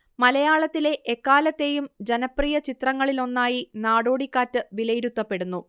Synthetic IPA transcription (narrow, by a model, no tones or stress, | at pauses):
mɐlɐjaːɭɐt̪ːile̞ʔekːaːlɐt̪ːe̞jumd͡ʑenɐprijɐt͡ɕit̪rɐŋːɐɭilo̞nːaːjinaːɽo̞ːɽikːaːtːɨʋilɐjiɾut̪ːɐpːe̞ɽunːu